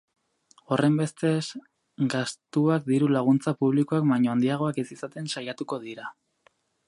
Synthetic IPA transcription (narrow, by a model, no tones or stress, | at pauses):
o̞rʔe̞mbe̞st̪e̞s | ɡast̪uak̚d̪iɾulaɣ̞unt͡sapuβliko̞akbajɲoand̪iaɣ̞o̞akesisat̪e̞nsajat̪uko̞ðiɾa